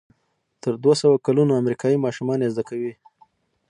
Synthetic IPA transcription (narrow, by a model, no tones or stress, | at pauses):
t̪əɾd̪wasawakalunoamɾikɑjimɑʃumɑnezd̪akawi